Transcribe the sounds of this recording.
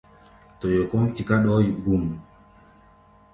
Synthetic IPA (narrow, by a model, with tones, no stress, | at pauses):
to˨jo˨ko˦mti˨ka˦ɗɔ˦i˨ɡu˨m